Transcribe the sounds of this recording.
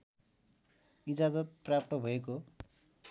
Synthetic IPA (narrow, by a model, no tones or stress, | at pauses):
id͡zazʌt̪̚prap̚t̪ʌbʱʌeko